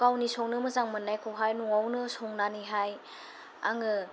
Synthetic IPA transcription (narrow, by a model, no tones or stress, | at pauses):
kawnisɔŋnɯmɯzaŋmɯnːajkʰowɦajnɔŋawnɯsɔŋnaniɦaj | a̰ŋɯ